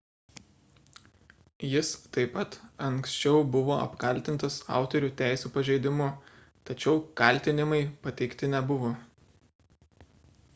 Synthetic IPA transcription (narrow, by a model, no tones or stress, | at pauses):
jɪst̪ɐɪpɐt̪ɐŋksʲt͡ʃʲɛʊbʊʋoːɐ̰pkɐlʲt̪ʲɪnt̪ɐsɑ̰ˑʊt̪ɔɾʲuːt̪ʲæˑɪsʲuːpɐʒʲɛɪd̪ʲɪmʊ | t̪ɐt͡ʃʲɛʊkɐˑlʲˑt̪ʲɪnʲɪmɐɪpɐt̪ʲɛɪkt̪ʲɪnʲɛbʊʋoː